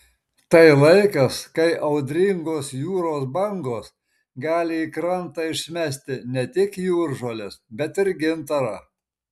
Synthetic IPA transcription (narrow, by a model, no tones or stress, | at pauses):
t̪ɐɪlˠɐɪkɐskɐɪʔɐʊd̪ʲɾʲɪŋɡoːsjuːɾoːsbɐŋɡoːs | ɡɑːlʲɪikɾɐnˑt̪ɑɪʃʲsʲmʲæːsʲt̪ʲɪnʲɛt̪ʲɪkjuːɾʒoːlʲɛsbʲɛt̪ɪɾɡʲɪnt̪ɐɾɑ